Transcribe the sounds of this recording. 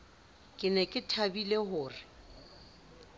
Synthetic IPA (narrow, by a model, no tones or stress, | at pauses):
kʼɪnɛkʼɪtʰabilehʊːrɪ